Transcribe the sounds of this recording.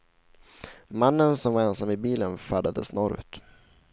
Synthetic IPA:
manːənsɔmvaɾɛnsamːɪbiːlənfaɖ̪ad̪əsnɔɾʉ̰t̪

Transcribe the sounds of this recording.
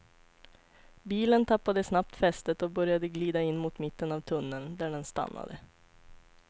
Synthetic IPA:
biːlənt̪ʰɑpːɑd̪əsnɑp̚t̪fɛst̪ət̪oːbœɾɪjɑd̪əɡliːd̪ɑɪnmuːt̪mɪt̪ːənɑːʋt̪ʰʊnənd̪æːɖɛnst̪ɑ̰mɑ̰d̪ə

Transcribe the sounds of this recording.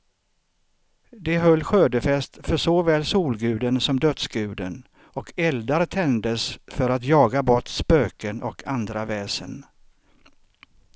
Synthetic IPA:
d̪ɛɦœlːɧøːd̪əfɛst̪fœʂɔvɛːlːsuːlɡʉ̟ːd̪ənsɔmd̪œt̪sɡʉ̟ːd̪ə̰n | ɔkʰɛld̪aɾt̪ʰɛnd̪əsfœɾat̪jɑːɡabɔʈspøːkənɔkʰand̪ɾavɛːsə̰n

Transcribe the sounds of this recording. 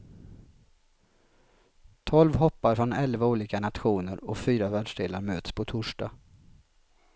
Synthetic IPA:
t̪ʰɔlvɦɔpːaɾfɾɔnɛlvauːliːkanat̪ɧuːnəɾɔfyːɾavæːɖʂɖeːlaɾmøːt̪spʰɔt̪ʰʊʂɖa̰ː

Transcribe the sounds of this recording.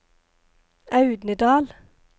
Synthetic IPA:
ɑʉd̪nəd̪ɑːl

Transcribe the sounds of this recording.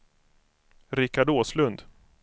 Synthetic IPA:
ɾɪkːaɖoːslɵnd̪

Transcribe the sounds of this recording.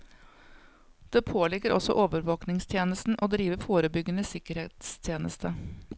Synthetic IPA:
d̪̥eːpʰoːlɪɡːəɾɔsɔ̰ʔoːʋəɾʋoːknɪŋst̪ʰjeːnəst̪n̩ʔoːd̪ɾiːʋəfoːɾəbʏɡənəsɪkəɾheːt̪st̪ʰjeːnʔə̰st̪ʰə

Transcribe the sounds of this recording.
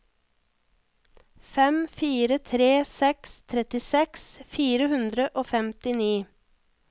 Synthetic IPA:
fɛmfiːɾət̪ʰɾeːsɛkst̪ʰɾɛt̪ɪsɛksfiːɾəhʉnd̪ɾəʔoːfɛmt̪ɪniː

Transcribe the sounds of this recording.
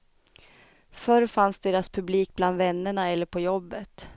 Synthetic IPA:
fœɾfansd̪eːɾaspʰɵbliːk̚bland̪vɛnːəɳaɛlːəɾpʰɔjɔbːət̪

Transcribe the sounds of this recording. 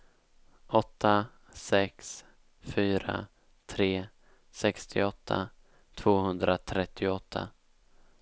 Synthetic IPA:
ɔt̪ʰːa | sɛks | fyːɾa̰ | t̪ʰɾeː | sɛkst̪ʰɪ̰ɔt̪ʰːa̰ | t̪ʰv̥oːhɵnd̪ɾat̪ʰɾɛt̪ʰːɪɔt̪ʰːa̰

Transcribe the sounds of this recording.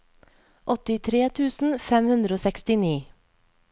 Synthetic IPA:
ʔɔt̪ɪt̪ʰɾeːt̪ʰʉːsn̩fɛmhʉnd̪ɾəoːsɛkst̪ɪniː

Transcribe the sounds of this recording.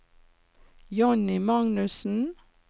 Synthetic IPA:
jɔnɪmɑŋnʉsn̩

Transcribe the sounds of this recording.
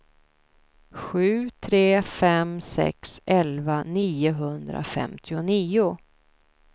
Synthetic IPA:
ɧʉ̟ːt̪ʰɾeːfɛmsɛ̰ksʔɛlvaniːʊɦɵnd̪ɾa̰fɛ̰mt̪ʰɪʊniːʊ

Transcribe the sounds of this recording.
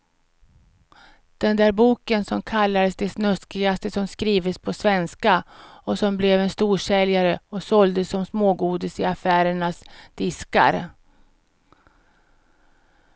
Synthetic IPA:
d̪̥ɛnd̪æːɾbuːkənsɔmkʰalːad̪əsd̪ɛsnœskɪɡast̪əsɔmskɾiːvəspʰɔsvɛnskaɔsɔmblɛvɛnst̪uːʂɛljaɾəɔsɔld̪əsːɔmsmoːɡuːd̪ɪsɪafæːɾəɳasd̪̥ɪska̰ɾ

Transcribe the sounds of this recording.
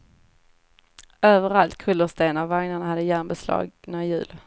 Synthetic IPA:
øːvəɾalt̪kʰɵlːəst̪eːnavːaŋnaɳhad̪ːəjæːnbɛslɑ̰ːɡnaɾɪjʉ̟̰ːl

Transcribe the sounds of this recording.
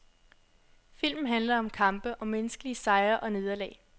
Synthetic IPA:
fil̰mn̩ɦænlɐɒ̽mkʰɑ̈mb̥əʔɒ̽menəsɡ̥əliəsɑ̈ɪɐʔɒ̽ne̝ðˠɐlɛ̰ː

